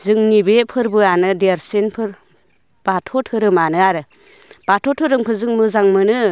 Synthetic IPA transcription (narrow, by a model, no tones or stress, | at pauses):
zɯŋnibepʰɯɾbɯanɯdeɾsenpʰɯɾ | b̥atʰɔtʰɯɾɯmanɯaɾɯ | b̥atʰɔtʰɯɾɯmkʰɯzɯŋmɯzaŋmɯnɯ